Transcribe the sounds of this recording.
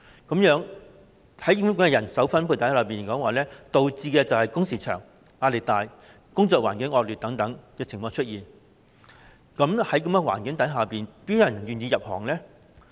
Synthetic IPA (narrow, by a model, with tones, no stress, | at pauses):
kɐ˨˥mjœː˨˥ŋ | hɐ˨˥jm˥kʊ˨mɛ˧ɐ˨˩nsɐ˨˥wfɐ˥npʰu˧t̪ʰɐ˨˥jləː˨˧piː˨˩nkɔː˨˥ŋwaː˨lɛː˥t̪o˨wt͡siː˧kɛː˧t͡sɐ˨whɐ˨jkʊ˥ŋsiː˨˩t͡ʃʰœ̰ː˨˩ŋ | aː˧le˨˩t̪aː˨j | kʊ˥ŋt͡sɔː˧kwaː˨˩nkɪ˨˥ŋɔː˧k̚lyː˨t̪̚ɐ˨˥ŋt̪ɐ˨˥ŋjɪ˧k̚t͡sʰɪ˨˩ŋfɔː˧t͡ʃʰɵ˥t̚jiː˨˩n | kɐ˨˧˥mhɐ˨˥jkɐ˨˥mkɛ˧wa̰ː˨˩nkɪ˨˥ŋt̪ɐ˨˥jɦaː˨piː˨npiː˨˥jɐ˨˩n˨jyː˨njiː˧jɐ˨p̚hɔ̰ː˨˩ŋlɛː˥